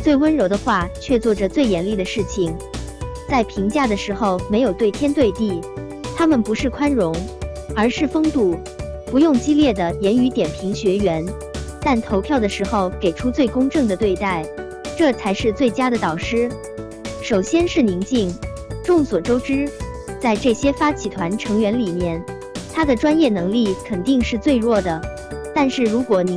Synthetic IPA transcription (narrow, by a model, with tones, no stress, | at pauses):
t͡swe˥˩ɪwə˥nɻo˧˥ʊd̪ə˧xwa˥˧t͡ɕʰɥɛ˥˧t͡swɔ˥˩ʈ͡ʂə˩t͡swe˥˩ɪjɛ˧˥nli˥˩d̪ə˩ʂɻ̩˥˩t͡ɕʰi˨˩ŋ | t͡sa˥˩ɪpʰi˧˥ŋt͡ɕja˥˩d̪ə˩ʂɻ̩˧˥xo˥˧ʊme˧˥ɪjo˨˩ʊt̪we˥˩ɪt̪ʰjɛ˥nt̪we˥˧ɪt̪i˥˩ | t̪ʰa˥mə˨npu˧˥ʂɻ̩˥˩kʰwa˥nɻʊ˧˥ŋ | ə˞˧˥ʂɻ̩˥˩fɤ˥ŋt̪u˥˩ | pu˧˥jʊ˥˩ŋt͡ɕi˥ljɛ˥˩d̪ə˩jɛ˧˥ny˧˥t̪jɛ˨˩npʰi˧˥ŋɕɥɛ˧˥ɥɛ˧˥n | t̪a˥˩nt̪ʰo˧˥ʊpʰjɑ˥˩ʊd̪ə˩ʂɻ̩˧˥xo˧ʊke˨˩ɪʈ͡ʂʰu˥t͡swe˥˩ɪkʊ˥ŋʈ͡ʂɤ˥˩ŋd̪ə˩t̪we˥˧ɪt̪a˥˩ɪ | ʈ͡ʂɤ˥˩t͡sʰa˧˥ɪʂɻ̩˥˧t͡swe˥˩ɪt͡ɕja˥d̪ə˨t̪ɑ˨˩ʊʂɻ̩˥ | ʂo˨˩ʊɕjɛ˥nʂɻ̩˥˩ni˧˥ŋt͡ɕi˥˩ŋ | ʈ͡ʂʊ˥˩ŋswɔ˨˩ʈ͡ʂo˥ʊʈ͡ʂɻ̩˥t͡sa˥˧ɪʈ͡ʂɤ˥˩ɕjɛ˥fa˥t͡ɕʰi˧˥t̪ʰwa˧˥nʈ͡ʂʰɤ˧˥ŋɥɛ˧˥nli˨˩mjɛ˥˩n | t̪ʰa˥d̪ə˨ʈ͡ʂwa˥njɛ˥˩nɤ˧˥ŋli˥˩kʰə˨˩nt̪i˥˧ŋʂɻ̩˥˧t͡swe˥˧ɪɻwɔ˥˩d̪ə˩ | t̪a˥˧nʂɻ̩˥˩ɻu˧˥kwɔ˨˧˥ni˨˩